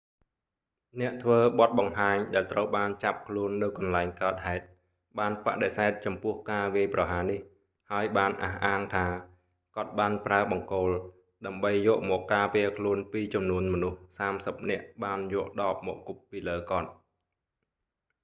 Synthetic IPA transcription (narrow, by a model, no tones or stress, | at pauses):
nɛ̆əʔt̪ʰʋəːɓɑt̪̚ɓɑŋɦaːɲɗaɛlt̪rəwɓaːnt͡ɕap̚kʰluənːɨwkɑnlaɛŋkaət̪̚haɛt̪̚ | ɓaːnpa̰ʔɗesaɛt̪̚t͡ɕɑmpʊ̆əhkaːʋiəjprɑɦaːnih | haəjɓaːnʔa̰hʔaːŋt̪ʰaː | kŏət̪̚ɓaːnpraəɓɑŋkoːl | ɗaəmɓəjːɔəʔmɔːkːaːpɛəkʰluənpiːt͡ɕɑmnuənmɔnuhsaːmsəp̚nɛ̆əʔɓaːnjɔəʔɗɑːp̚mɔ̰ːʔkupːiːləːkŏət̪̚